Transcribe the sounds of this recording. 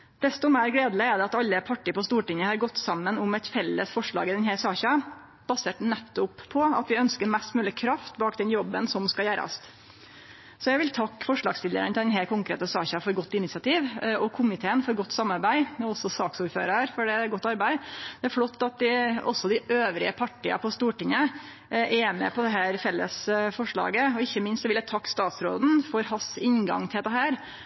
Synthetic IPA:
d̪̥ɛst̪ʊmæɪɾɡleːd̪ləæd̪ɛɑt̪ɑlːəpʰɑʈːipɔst̪uːʈɪŋːəhɑɾɡɔt̪ːsɑmːənʊmɛt̪fɛlːə̰sfɔʂɭɑ̰ːɡəd̪ɛnɦæːsɑːçɑ | b̥ɑseːʈnɛt̪ːʊpʰːɔɑ̰t̪ʋɪœnskəɾmɛst̪mʉːlɪkʰɾɑft̪bɑːkd̪ɛnjɔbːənsɔmskɑjæːɾɑ̰st | sɔjæʋɪlt̪ʰɑkːfɔʂɭɑːɡsfɪlə̰ɾənt̪ʰɪɛnɦɛlkʰʊŋkɾḛːt̪əsɑːçɑfɔɾɡɔt̪ːɪnɪsɑt̪ʰiːʋɔkʰʊmɪt̪ʰeːənfɔɾɡɔt̪ːsɑmːɑɾbæɪmɛɔsɔsɑːksuːɾfø̰ːɾɑɾfɔɖɛɾɡɔt̪ːɑɾbæɪd̪̥ɛæɾflɔt̪ːɑt̪̚d̪ɪɔsːɔd̪ɪʔøːʋɾɪ̰əpʰɑʈːɪɑ̰pʰɔst̪uːʈɪŋːə | ʔɛmɛ̰pʰɔd̪ɛɦæːɾfɛlːə̰sfɔʂɭɑ̰ːɡəɔɪçːəmɪnst̪sɔʋɪljæt̪ʰɑkːst̪ɑːt̪sɾo̰ːd̪n̩fɔɾhɑsɪnɡɑ̰ŋt̪ʰɪld̪ɛɦæːɾ

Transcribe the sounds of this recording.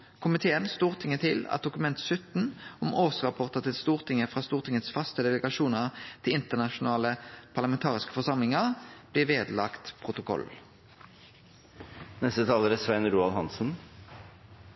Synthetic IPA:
kʰʊmɪt̪ʰeːənst̪uːʁt̪ʰɪŋːət̪ʰɪlɑ̰t̪̚d̪ʊkʉmɛnt̪sʏt̪n̩ɔmoːsʁɑpʰɔʁt̪ət̪ɪlst̪uːʁt̪ʰɪŋəfʁɑːst̪uːʁt̪ʰɪŋət̪sfɑst̪əd̪ɛləɡɑʃuːnəʁt̪ʰɪlɪnt̪əʁnɑʃʊnɑːləpʰɑʁlɑmɛnt̪ʰɑːʁɪskə̥fɔsɑmlɪŋəʁb̥lɪʋeːd̪lɑkt̪pʰʁʊt̪ʊkʰɔ̰l | nɛst̪ət̪ʰɑːləɾæsʋɛnɾuːɑlhɑnsn̩

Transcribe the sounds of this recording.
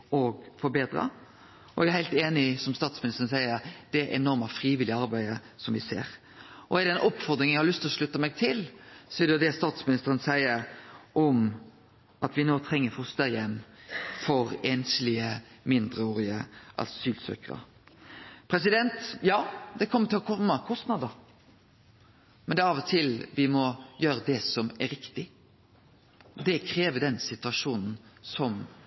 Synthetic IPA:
ɔɡfɔɾbeːd̪ɾɑ̰ | ʔɔɛɡæɾhæɪlt̪eːnɪsɔmst̪ɑːt̪smɪnɪst̪ʁənsæɪəɾd̪̥ɛʔɛnɔɾməfɾiːʋɪlɪəɑɾbæɪə | sɔmʋɪsḛːɾ | ʔɔɛɾd̪ɛɛnʔɔpːfɔɾd̪ɾɪŋnjæhɑlʏst̪ɪlɔʂlʉt̪ːəmɛɡ̚t̪ʰɪlsɔɛd̪ɛjʊd̪ɛst̪ɑːt̪smɪnɪst̪əɾənsæɪəɾʔɔm | ʔɑt̪ʋɪnoːt̪ʰɾɛŋːəfʊst̪əjɛmfɔɾɛnslɪəmɪnd̪ɾəoːɾɪəʔɑ̰lssyːlsø̰ːkəɾə̰ | pʰɾɛs̬ɪd̪ɛnt̪jɑːd̪ɛkʰɔmːət̪ʰɪlɔkʰɔmːəkʰɔst̪nɑd̪ə | mɛnd̪ɛɑʋɔt̪ʰɪlʋɪmɔjøːɾəd̪ɛsɔmæɾɪkt̪ɪ | d̪ɛkʰɾeːʋəd̪ɛnsɪt̪ʉɑʂuːnn̩sɔm

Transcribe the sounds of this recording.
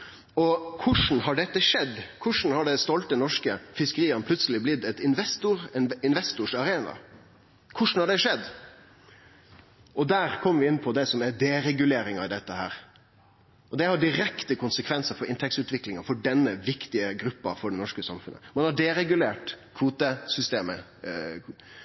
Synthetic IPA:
ɔkʰʊʂn̩ɦɑɖɛt̪ːəʂɛd̪ːkʰʊʂn̩hɑɖɛst̪ɔlt̪̚ənɔʂkəfɪskəɾiːənp̪ʰʉt̪səlɪblɪt̪ːɛt̪ɪnʋɛst̪ʊɾɪnʋɛst̪ʊʂɑɾeːnɑ̰ | kʰʊʂn̩hɑɖɛʂɛd̪ː | ʔɔd̪æːɾkʰɔmːəɾʋɪɪnːpʰɔd̪ɛsɔmæd̪eːɾɛɡʉleːɾɪŋɑɪd̪ɛt̪ːəhæ̰ːɾ | ʔɔd̪ɛhɑɖɪɾɛkt̪əkʊnsəkʰʋɛnsəɾfɔɾɪnt̪ʰɛk̚tsʉːt̪ʋɪklɪŋɑfɔɖɛnːəʋɪkt̪ɪəɡɾʉpːɑ̰fɔɖɛnɔʂkəsɑ̰mfʉnːə̰mɑnhɑɖɛːɾɛɡʉleːʈkʰʋuːt̪əsʏst̪eːmə̰

